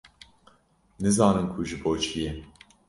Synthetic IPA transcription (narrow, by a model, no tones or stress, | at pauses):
nɨzɑːnɨmkʰuʒɨboːt͡ʃʰijɛ